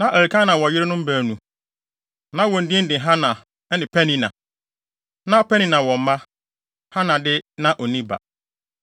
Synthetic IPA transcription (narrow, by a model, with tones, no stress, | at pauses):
nã˦ʔæ˨ɾi˨kʰã˦nã˨wɔ˨jɪ˦ɾɪ˦nʊ̃˦m̩˦bæ˨nũ˨ | nã˦wɔ̃˨n̩˨dĩ˦n̩˦dɪ̃˨ɦã˦nã˨ | ɛ˦nɪ̃˨pʰɛ˦nĩ˨nã̰˨ | nã˦pʰɛ˦nĩ˦nã˨wɔ̃˨m̩˦mã˦ | ha˦nã˨dɪ˦nã˦ʔɔ˨nĩ˦ba̰˨